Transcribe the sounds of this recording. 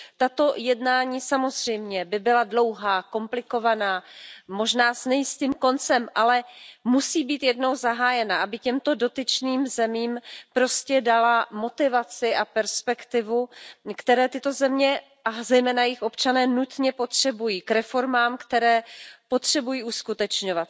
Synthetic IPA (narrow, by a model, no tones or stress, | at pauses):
t̪at̪o̞jɛdnaːɲiːsamo̞zr̝ɛjmɲɛbɪbɪladlo̞wɦaːko̞mplɪko̞vanaːmo̞ʒnaːsnɛjɪst̪iːmko̞nt͡sɛmʔalɛmusiːbiːt̪jɛdno̞wzaɦaːjɛnaʔabɪcɛmt̪o̞do̞t̪ɪt͡ʃniːmzɛmiːmpɾo̞scɛdalamo̞t̪ɪvat͡sɪʔapɛɾspɛkt̪ɪvukt̪ɛɾɛːt̪ɪt̪o̞zɛmɲɛ | ʔazɛjmɛːnajɪxʔo̞pt͡ʃanɛːnut̪ɲɛpo̞t̪r̝̥ɛbujiːkɾɛfo̞ɾmaːmkt̪ɛɾɛːpo̞t̪r̝̥ɛbujiːʔuskut̪ɛt͡ʃɲo̞vat̪̚